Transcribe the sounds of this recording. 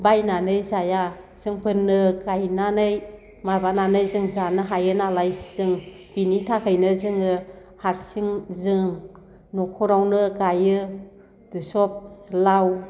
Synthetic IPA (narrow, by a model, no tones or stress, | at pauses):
bajnanɯjzaja | z̥ɯŋpʰɯnːɯkajnanɯj | maɾbananɯjzɯŋzanɯɦajɯnalajz̥ɯŋ | b̥initʰakʰɯjnɯzɯŋɯ | haɾsiŋzɯŋ | nɔkʰɔɾawnɯkajɯ | d̥ɯsɔp̚law